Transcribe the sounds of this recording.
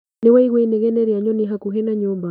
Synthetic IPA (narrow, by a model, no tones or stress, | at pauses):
newaiɣweineɣɛnɛɾjaɲɔnɪɦakuɦɛnaɲumba